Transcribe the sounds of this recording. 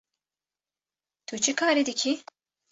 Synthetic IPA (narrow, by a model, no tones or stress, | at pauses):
t̪ʰut͡ʃʰɨkʰaːɾid̪ɨkʰi